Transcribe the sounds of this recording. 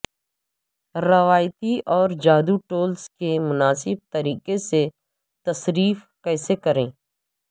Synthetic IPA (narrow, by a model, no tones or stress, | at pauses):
ɾɐʋaːjt̪iʔɔːɾd͡ʒaːd̪uʈoːlskemʊnaːsɪb̚t̪əɾiːkese | t̪ɐsɾiːf | kɛːsekɐɾẽː